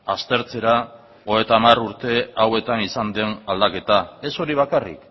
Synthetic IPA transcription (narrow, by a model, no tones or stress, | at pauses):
ast̪e̞ɾt͡se̞ɾa | oet̪aːmaruɾt̪e̞awe̞t̪anisand̪e̞nald̪ake̞t̪ae̞so̞ɾiβ̞akarḭk